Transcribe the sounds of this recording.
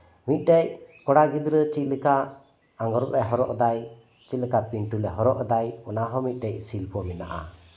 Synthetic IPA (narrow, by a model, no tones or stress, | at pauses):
mit̪̚ˀɖɛc̚kɔɽaɡid̪ɾət͡ʃit̪̚lɛka | aŋɡɔɾɔʔɛɦɔɾɔʔd̪aj | t͡ʃit̪̚lɛkapinʈulɛɦɔɾɔʔd̪ajɔnaɦɔmit̪̚ˀɖɛc̚silpɔmɛna̰ʔa̰